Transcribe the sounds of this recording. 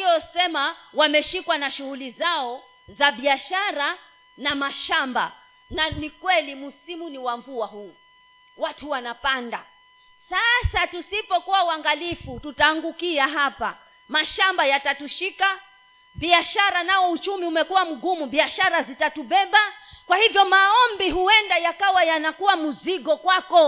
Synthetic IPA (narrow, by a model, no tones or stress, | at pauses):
ijɔsɛmawamɛʃikwanaʃuhulizaɔ | zaɓiaʃaɾa | namaʃamba̰ | nanikwɛlimusimuniwaɱvuaɦuː | watuwanapanda | sasatusipɔkuwauaŋɡalifututaːŋɡukiaɦapa | maʃambajatatuʃika | ɓiaʃaɾanaɔut͡ʃumiumɛkuwam̩ɡumuɓiaʃaɾazitatuɓɛbakwahivjɔmaɔmbiɦuɛndajakawajanakuwamuziɠɔkwakɔ